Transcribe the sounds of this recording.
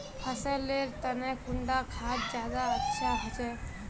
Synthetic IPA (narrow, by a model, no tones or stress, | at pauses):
pʰəsəleɾt̪ənɛkuɳɖakʰatd͡ʒjad̪aətːʃʰaɦot͡ʃɛ